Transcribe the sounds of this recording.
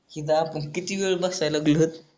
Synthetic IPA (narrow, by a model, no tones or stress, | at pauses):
kit̪aːpəɳkit̪iʋeɭbasajlaɡlot̪